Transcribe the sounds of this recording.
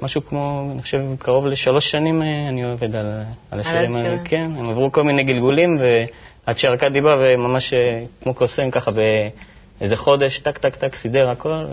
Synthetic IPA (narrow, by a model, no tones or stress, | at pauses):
maʃukmo̞aniχoʃevkʰaʁo̞vleʃalo̞ʃːanimeanioeved̪alalaʃanimkʰenemavʁuko̞lminejɡilɡulimve̞ | ad̪ʃeʁakad̪ibavemamaʃekmo̞kosemkaχabe̞ | ezeχo̞d̪e̞ʃt̪akt̪akt̪aksid̪e̞ʁako̞l